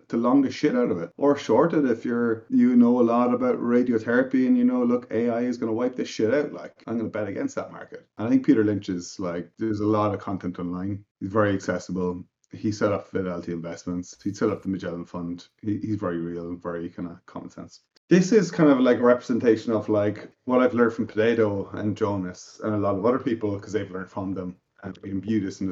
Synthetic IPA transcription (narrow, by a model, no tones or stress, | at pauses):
tʰəlɔ̃ŋðɪʃɪɾaʊɾəvɪtʔə˞ʃɔɹɾəɾɪfjə˞jənoʊəlɔɾəbaʊʔɹeɪdioʊθɛɹɨpiə̃njənoʊlʊkeɪaɪɪzɡʌnəwaɪp̚ðɪsʃɪɾaʊʔla̰ɪkãɪ̃mɡʌ̃nəbɛɾəɡɛ̃nstðə̰t̚ma̰ɹkətə̃naɪθɪ̃ŋk̚pʰiɾə˞lɪ̃nt͡ʃɪz̥laɪk̚ðə˞zəlɔɾʌv̥kʰɑ̃ntʰɛ̃ntɑ̃nlãɪ̃nhizvɛɹiɨksɛsəbəl̩ˠ | hisɛɾɔpvəɾɛlˠtʰiɪ̃ɱvɛsmə̃ntshisɛɾʌp̚ðəməd͡ʒɛlˠə̃nfʌ̃nd̥ | hihizvɛɹiɹiːələ̃nvɛɹikʰãɪ̃ndəkʰɑ̰mə̃nsɛ̰̃nsə | ðɪsɪz̥kʰãɪ̃ndʌvlaɪkəɹɛpɹəzɛ̃ntʰeɪʃə̃nəvlaɪkwɒɾaɪvlɜ̃˞nd̥fɹʌ̃mpʰə̥dʰeɪɾoʊə̰̃nd͡ʒõʊnəsə̰̃nəlɔɾəvʌðə˞pʰipəlˠkʰʌzðeɪvlɜ̃˞nd̥fɹə̃mðə̃m | ʔə̃niɪ̃nbjʉɾɪsn̩